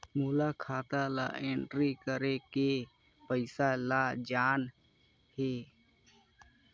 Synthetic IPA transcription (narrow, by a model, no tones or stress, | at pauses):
muːlaːkʰaːt̪aːla̰ːʔeːɳʈɾiːkəɾeke | pəɪsaːlaːd͡ʒaːn | heː